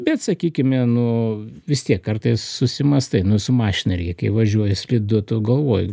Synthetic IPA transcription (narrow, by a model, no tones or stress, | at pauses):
bʲɛt̪sɐkʲiːkʲɪmʲɛnʊʋʲɪst̪ʲiɛkːɐrt̪ɐɪssʊsʲɪmɐst̪ɐɪnʊsʊmɑːʃʲɪnɐɾʲikɐɪʋɐʒʲuɔjɛsʲlʲɪd̪ʊt̪ʊɡɐlˠʋoːjʊ